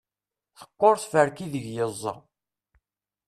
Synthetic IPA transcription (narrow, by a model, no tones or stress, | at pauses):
θə̥qːoɾˤθfəɾkiðəʝjəzˤːɑ̰